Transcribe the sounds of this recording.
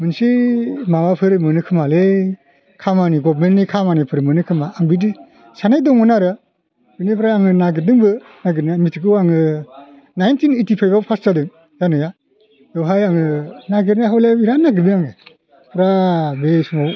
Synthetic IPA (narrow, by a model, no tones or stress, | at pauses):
mɯnsimawapʰɯɾmɯnɯkʰɯmale | kʰamaniɡɔbmentnikʰamanipʰɯɾmɯnɯkʰɯmaːŋbidi | sanajdɔŋɔnaɾɯ | binipʰɾaːŋɯnaɡɯɾdɯŋbɯ | naɡɯɾnijamitʰik̬ɯaŋɯ | najntʰinetipʰajbapʰaszadɯŋ | janɯja | dɯwɦajaŋɯnaɡɯɾnaɦawlaiɾanːaɡɯɾnijaŋɯ | pʰɾabesuma